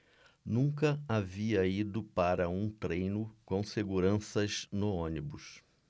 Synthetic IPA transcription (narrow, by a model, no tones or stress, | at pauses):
nũŋkɐaviɐid̪ʊpaɾɐũt̪ɾejnʊkõw̃seɡuɾɐ̃sɐznʊõnibʊs